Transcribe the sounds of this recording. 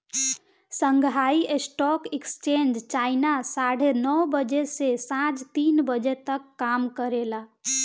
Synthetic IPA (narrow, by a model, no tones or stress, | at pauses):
səŋɡʱaiʔesʈɔkekst͡ʃend͡ʒt͡ʃainasaɽ̤enɔwbəd͡ʒesesãt͡ʃt̪inbəd͡ʒet̪əkːamkəɾela